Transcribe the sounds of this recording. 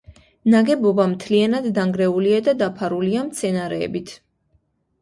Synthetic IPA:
naɡɛbɔbamt̪ʰlianad̪ːaŋɡɾɛuliad̪ad̪apʰaɾuliamt̪sʰɛnaɾɛ̰ːbit̪ʰ

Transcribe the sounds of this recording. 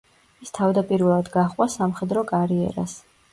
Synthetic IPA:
ist̪ʰavd̪apʼiɾvɛlˠad̪ɡaχʼwasamχɛd̪ɾɔkʼaɾiɛ̰ɾa̰s

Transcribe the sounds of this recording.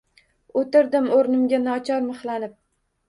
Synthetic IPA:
ot̪ɪɾd̪ɪmoɾnɪmɡʲanɒt͡ʃʰɒɾmɨχlˠanɪp̚

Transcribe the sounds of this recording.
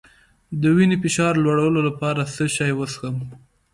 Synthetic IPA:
d̪əwinefɪʃɑɾlwaɽawəlolapɑɾasəʃɑjwəsxəm

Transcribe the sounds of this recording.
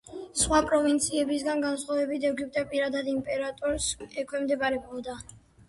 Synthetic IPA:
sχwapʼɾɔvint̪sʰiɛbisɡanɡansχwavɛbit̪ʰɛɡip̚t̪ʼɛpʼiɾad̪ad̪impʼɛɾat̪ʼɔɾsɛkʰwɛmd̪ɛbaɾɛbɔd̪a

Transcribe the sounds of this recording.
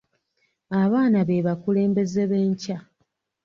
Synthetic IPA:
aβaːnaβeβakule̞ːmbe̞zeβe̞ːɲca

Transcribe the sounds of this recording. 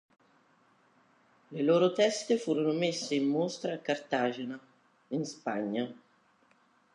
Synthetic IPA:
leloːɾot̪ɛst̪efuːɾonomesːeimːost̪ɾaːkːart̪aːd͡ʒena | inspaɲːa

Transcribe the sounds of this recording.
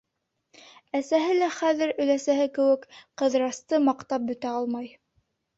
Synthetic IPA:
æsæɦɘlæχæðɘ̆ɾɵ̆læsæɦɘkɘ̆wɘkqɤ̆ðɾɑst̪ɤmɑqt̪ɑp̚bɵ̆t̪æɑlˠmɑj

